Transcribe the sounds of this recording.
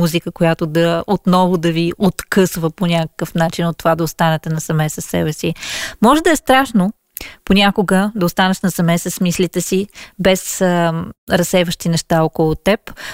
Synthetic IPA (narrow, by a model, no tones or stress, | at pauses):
muzikəkojat̪od̪ɐot̪nɔvʊd̪ɐviʔot̪kɤsvəponʲakə̥kəfnat͡ʃinot̪ːovad̪ɐost̪anɛt̪ɛnɐsɐmɛsəsːɛ̰bɛsimɔʒɛd̪ɐɛst̪ɾaʃno | ponʲakʊɡəd̪ɐost̪anɛʃnɐsɐmɛsəsmislit̪ɛsibɛs | ɾɐsɛvəʃt̪inɛʃt̪aɔkolˠʊt̪ɛp